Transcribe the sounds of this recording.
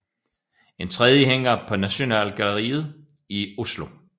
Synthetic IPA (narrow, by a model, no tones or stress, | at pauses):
e̝nt͡sʰʁɛð̞ˠjəɦeŋ̰ɐpʰɒ̽næɕo̝nɛ̰ːlɡ̥ælɐʁḭːð̞̩ˠ | io̝slo̝